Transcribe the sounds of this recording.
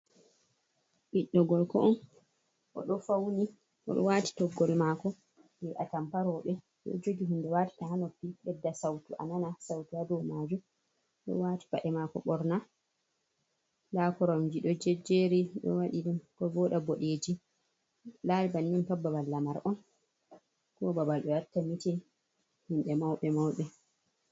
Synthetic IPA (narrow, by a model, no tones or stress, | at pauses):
ʔiɗːɔɡɔlkɔʔɔn | ʔɔ̰ɗɔfawni | ʔɔ̰ɗɔ̰wati̥tɔɡːɔlmakɔ | bɛʔa̰tampaɾɔːɓɛ | ɗɔ̰d͡ʒoɡiɦindɛwaːti̥tahanopːiɓɛdːasawtuʔa̰nanasawtuadɔmad͡ʒum | ɗɔ̰waːti̥paɗɛmakɔ̰ɓɔɾna | lakɔɾɔmd͡ʒiɗɔd͡ʒɛd͡ʒeɾiɗɔ̰waɗiɗumkɔvɔːɗaboɗeːd͡ʒi | laɾibanɗuntabːabalːamaɾʔɔn | kɔbabalɗɔatːamitɛ | hinɗɛmawɓɛmawɓɛ